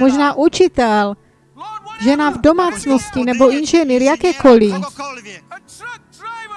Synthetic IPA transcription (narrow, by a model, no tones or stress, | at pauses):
moʒnaːʔut͡ʃit̪ɛl | ʒɛnavdomaːt͡snoscinɛboinʒɛniːɾjakɛːkoli